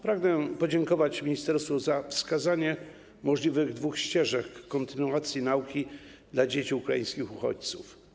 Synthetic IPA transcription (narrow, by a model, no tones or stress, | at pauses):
pɾaɡnɛpɔd͡ʑɛŋkɔvat͡ɕmʲiɲist̪ɛɾst̪fɔzafskazaɲɛ | mɔʐlʲivɘɣd̪vuxɕt͡ɕɛʐɛkːɔnt̪ɘnuat̪sʲjinaukʲi | d̪lad͡ʑet͡ɕiukɾajĩskʲixuxɔ̰t͡ɕt̪suf